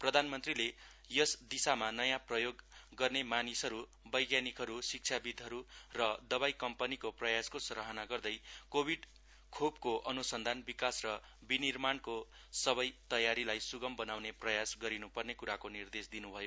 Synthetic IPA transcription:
prʌd̪ʱanmʌnt̪rile | jʌsd̪isamanʌjãprʌjoɡːʌrnemanisʌɾu | bʌjɡjanikɦʌɾusik̚t͡ʃʰabid̪ʱʌɾurʌd̪ʌbajkʌmpʌnikoprʌjaskosʌɾʌɦʌnaɡʌrd̪ʌjkobʱiɖ | kʰobkoʔʌnusʌnd̪ʱanbikasrʌ | binirmanko | sʌβʌjt̪ʌjaɾilajsuɡʌmbʌnawneprʌjasɡʌɾinupʌrnekuɾakonird̪esd̪inubʱʌjo

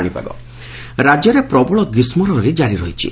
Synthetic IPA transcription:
ɽ̃ipa̰ɡɔ̰ | ɾad͡ʒjɔɾepɾɔbɔɭɔɡismɔɾɔɾid͡ʒaɾiɾɔɦit͡ʃʰḭ

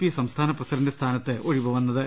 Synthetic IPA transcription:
pisɐmst̪ʰaːnɐprɐsɐɾɐndest̪ʰaːnɐtt̪ːeʔoɻiʋɐʋɐnːɐðɨ

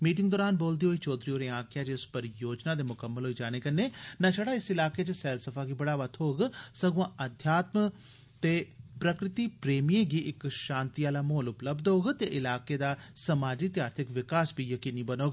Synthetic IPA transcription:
miːʈ̬ɪ̃ŋɡd̪ɔːɾaːnboːld̪iɦoːiːt͡ʃoːd̪ɾioːɾẽãːkjaːt͡ʃɪspəɾjoːd͡ʒnaːd̪eːmʊkəmːəlɦoːiːd͡ʒaːneːkənːeːnat͡ʃəɽaːɪsɪlaːkeːt͡ʃesɛːlsəfʰaːɡiːbəɽaːʋət̪ʰɦoːɡsəɡãʔəd̪ʱjaːt̪mə | t̪eːpɾəkɾɪt̪iːpɾeːmiẽɡiʔɪkʃãːnt̪ijaːlaːmoːlʊpləbd̪oːɡt̪eʔɪlaːkeːd̪aːsəmaːd͡ʒit̪jaːɾt̪ʰɪkʋɪkaːsbʱiːjəkiːniːbənoːɡ

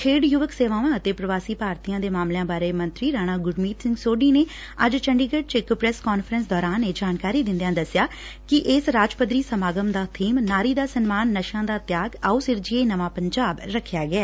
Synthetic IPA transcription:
kʰeːɖjʊʋəkseːʋãːʋãːət̪eːpɾəʋaːsiːpaːɾt̪ijãːd̪eːmaːmlejãːbaːɾeːmə̃nt̪ɾiːɾaːñaːɡʊɖmiːt̪sɪ̃ŋɡsoːɖiːneː | əd͡ʒt͡ʃəɳɖiːɡəɖt͡ʃɪkpɾɛːskɔːnfʰəɾəns̬d̪ɔːɾaːnːeːd͡ʒaːnkaːɾiːd̪ɪ̃nd̪jãːd̪əsjaː | kɪʔɪsɾaːd͡ʒpəd̪ɾiːsəmaːɡəmd̪aːt̪ʰiːmnaːɾiːd̪aːsənmaːnːəʃãːd̪aːt̪jaːɡauːsɪɾd͡ʒieːnəʋãːpəɲd͡ʒaːbɾəkʰːjaːɡəɛː

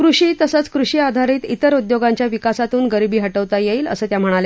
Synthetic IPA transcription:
kɾuɕiːt̪əsət͡skɾuɕiːad̪ʱaɾiːt̪it̪əɾud̪joɡãɲt͡ɕjaʋikasat̪uːnɡəɾibiːɦəʈəʋt̪ajeiːlə̰səːt̪jam̤əɽ̃ale

